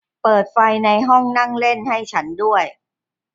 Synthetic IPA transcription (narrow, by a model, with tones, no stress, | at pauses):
pɤː˨˩t̪̚fa˧jna˧jɦɔ˥˩ŋna˥˩ŋle˥˩nha˥˩jt͡ɕʰa˦˥ndu˥˩əj